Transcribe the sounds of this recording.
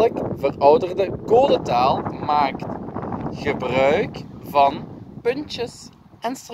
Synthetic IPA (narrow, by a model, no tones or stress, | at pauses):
əkvərɔwdərdəɡoːdətaːlˠmaːktɣəbrœɥkvɑnpɵntəs | ʔɛnstr